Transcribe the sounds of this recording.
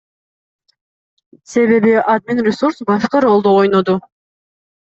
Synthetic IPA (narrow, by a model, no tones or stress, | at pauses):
se̞βe̞βiad̪̚mʲinrʲɪsuɾsbafʲi̥qɑɾo̞lˠd̪oojnod̪u